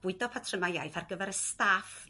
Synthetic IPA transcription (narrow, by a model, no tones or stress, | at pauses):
b̥ʊɨdɔpʰatʰrəmajajθarɡəvɛɾəstaf